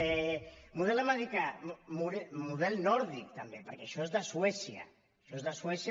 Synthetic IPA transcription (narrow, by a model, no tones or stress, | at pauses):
ɛmuðɛləmaðikamuɾɛmuðɛlˠnɔɾðik̚t̪əmbepəɾkɛəʃɔezðəswɛsiə̰ | ʃɔezðəswɛsj